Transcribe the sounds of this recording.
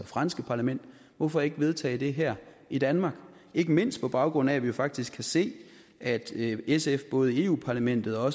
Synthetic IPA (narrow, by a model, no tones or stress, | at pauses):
fʁɑ̈nsɡ̥əpʰɑ̈læmen̰d̥̚ | ʋɒfɒ̽e̝ɡ̥əʋe̝ð̞ˠt͡sʰɛ̰ːɪd̥e̝ɦæɐ̰ | id̥ænmɑ̈ːɡ̥ | e̝ɡ̥əme̝n̰sd̥̚pʰɒ̽b̥ɑ̈ʊɡ̥ʁɔ̽n̰æʋijo̝fɑ̈ɡ̥̚d̥isɡ̥ʰæse̝̰ː | ʔæd̥esefb̥ɔ̽ːð̞̩ˠəe̝ːṵːpʰɑ̈ːlæmen̰d̥ð̩ˠɒ̽ɒ̽s